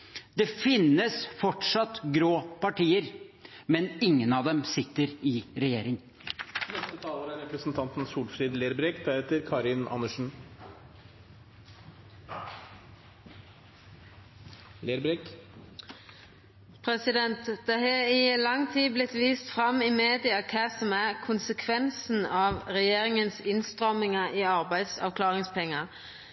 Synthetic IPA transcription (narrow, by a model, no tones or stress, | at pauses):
d̪ɛfɪnːəsfɔʈʂɑt̪ɡɾoːpɑʈiːəɾmɛnɪŋːənɑʋd̪ɛmsɪt̪ːəɾɪɾɛjeːɾɪŋ | nɛst̪ət̪ʰɑːləɾæɾɛpɾəsnt̪ʰɑnt̪n̩suːlfɾiːd̪leːɾbɾɛkd̪æɾɛt̪əɾkʰɑːɾɪnɑ̰nːəʂn̩ | leːɾbɾɛk | pʰɾɛsɪd̪ɛnt̪d̪̥ɛɦɑɪlɑŋːt̪ʰiːblɪt̪ʋiːst̪fɾɑmɪmeːd̪ɪɑkʰæːsɔmæʁkʰʊnsəkʰʋɛnsn̩ɑʋʁɛjeːɾɪŋənsɪnst̪ʁɔmɪŋɑʔiːɑɾbæɪd̪sɑ̰ʋkʰlɑːʁɪŋspʰɛŋːɑ